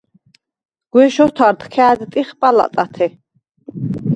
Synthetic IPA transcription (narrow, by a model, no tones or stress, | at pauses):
ɡ̥wɛʃɔt̪ʰaɾt̪kʰɛad̪t̪ʼiχpʼala̰t̪ʼat̪ʰɛ